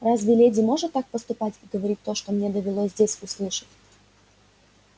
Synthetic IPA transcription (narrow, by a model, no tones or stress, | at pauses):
razvʲɪlʲedʲɪmo̞ʐɨt̪ːak̚pəst̪ʊpatʲiɡəvɐɾʲit̚ʲt̪ːo̞ʂt̪omnʲed̪əvʲɪlˠozʲzʲdʲesʲʊslˠɨʂɨ̥tʲ